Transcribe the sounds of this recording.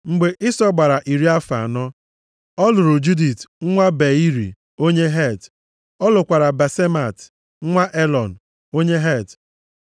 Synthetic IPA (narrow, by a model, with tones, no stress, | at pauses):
ŋ͡m̩˨ɡ͡be˨ʔɪ˦sɔ˦ɡ͡ba˨ɾa˨ʔi˨ɾi˦a˦fa̰˨a˨nɔ˦ | ɔ˦lʊ˨ɾʊ˨d͡ʒu˦di˨tŋ̩˦ŋʷa˦be˨i˦ɾḭ˨ | o˦ɲe˦ɦe˦˨t | ɔ˦lʊ˨kʷa˨ɾa˨ba˨se˦ma˨t | ŋ̩˦ŋʷa˦ʔe˦lɔ˨n̩˨ | o˦ɲe˦ɦe˦˨t